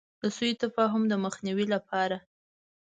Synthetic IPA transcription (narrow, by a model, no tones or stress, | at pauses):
d̪əsujit̪afɑɦʊmd̪əməxniwilapʰɑɾa